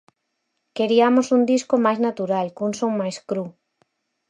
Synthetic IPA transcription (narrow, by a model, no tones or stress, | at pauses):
keɾiamosund̪iskomajznat̪uɾalkuŋsoŋmajskɾu